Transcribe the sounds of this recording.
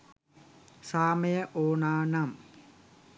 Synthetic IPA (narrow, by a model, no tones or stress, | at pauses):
saːmɐjəʔoːnaːnam